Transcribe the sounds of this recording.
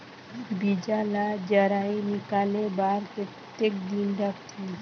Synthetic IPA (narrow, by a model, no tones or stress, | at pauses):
bid͡ʒaːlad͡ʒəɾaːinɪkaːlebaːɾke | t̪ek̚d̪inɾəkt̪ʰi